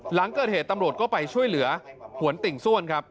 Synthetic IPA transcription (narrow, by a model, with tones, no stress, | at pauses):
la˩˦ŋkɤː˨˩t̪̚heː˨˩t̪ːa˧mɾu˨˩ət̪̚kɔː˥˩pa˧jt͡ɕʰu˥˩əjlɯ˩˦ɐpʰu˩˦ənt̪i˨˩ŋsu˥˩ənkʰa˦˥p̚